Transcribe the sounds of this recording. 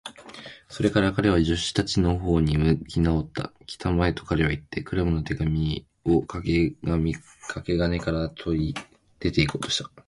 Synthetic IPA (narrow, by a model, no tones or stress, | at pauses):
so̞ɾe̞kaɾakaɾe̞β̞aʑɨɕːi̥t̪at͡ɕino̞ɦo̞ːɲ̟imɯ̟kʲinao̞t̪ːa̰kʲi̥t̪amae̞t̪o̞̥kaɾe̞βait̪ːe̞kɯ̟ɾamɯ̟no̞t̪e̞ɡamʲi | o̞kaɡmi | kʰake̞ɡamekaɾat̪ʰo̞ɾʲi | d̪̥e̞t̪e̞ikoːt̪o̞̥ɕi̥t̪ḁ